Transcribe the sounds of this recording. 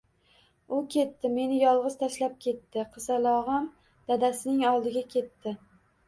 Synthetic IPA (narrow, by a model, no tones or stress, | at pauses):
ʊkʲʰe̞t̪ːɪme̞nɪjɒlˠʁɨz̥t̪ʰaʃlap̚kʲʰe̞t̪ːɪqʰɨzalˠɒʁɑm | d̪̥ad̪asɪnɪŋɒlˠd̪ɪɡʲakʲʰe̞t̪ːɪ